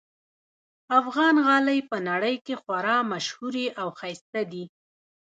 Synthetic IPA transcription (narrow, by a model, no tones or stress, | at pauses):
afɣɑnɣɑləjpənaɽəjkexwaɾɑmaʃhuɾeʔawxajst̪ad̪i